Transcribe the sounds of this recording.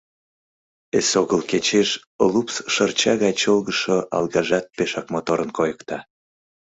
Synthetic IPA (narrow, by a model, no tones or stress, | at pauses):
esoɣəlket͡ɕeʃ | olupsʃərt͡ɕɑɣɑjt͡ɕolɣəʃoʔɑ̰lɣɑʒɑt̪̚peʃɑk̚mot̪oɾənkojəkt̪ɑ